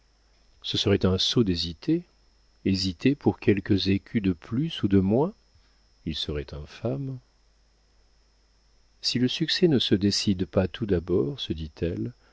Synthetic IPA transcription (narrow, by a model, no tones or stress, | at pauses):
səsəʁɛt̪ɛ̃sod̪ezit̪ʰe | ezit̪epuʁkʰʲɛlkəzekʲʰyd̪əplysud̪əmwɛ̃ | ilsəʁɛt̪ɛ̃fam | siləsyksɛnəsəd̪esid̪pat̪ʰud̪abɔʁsəd̪it̪ʰɛl